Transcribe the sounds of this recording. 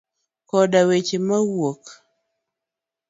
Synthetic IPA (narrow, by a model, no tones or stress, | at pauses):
kɔdawet͡ʃemawwok